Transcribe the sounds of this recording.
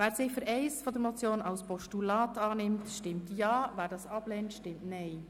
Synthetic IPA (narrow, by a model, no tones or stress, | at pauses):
væːɾsɪfəɾɛɪsfɔd̪əɾmɔt͡sjoːnɑlspɔʃtulɑːtɑːnɪmtʃtɪmtjɑːvæːɾdɑːsɑb̥leːntʃtɪmtnɛɪ